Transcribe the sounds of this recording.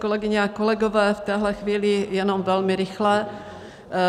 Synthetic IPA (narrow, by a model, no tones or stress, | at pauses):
kolɛɡɪɲɛakolɛɡovɛːft̪ɛːɦlɛxviːlɪjɛnomvɛlmɪɾɪxlɛ